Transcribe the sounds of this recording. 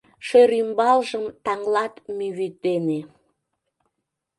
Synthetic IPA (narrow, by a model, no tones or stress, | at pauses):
ʃøɾymbɑlʒəmt̪ɑŋlɑt̪myβyt̪̚ːene